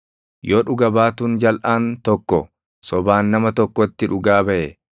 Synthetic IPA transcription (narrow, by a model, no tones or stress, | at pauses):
joːᶑʊɡɐbaːt̪und͡ʒɐlʔaːnt̪ɔkːɔ | sɔbaːnːɐmɐt̪ɔkːɔt̪ːɪᶑʊɡaːbɐʔɛ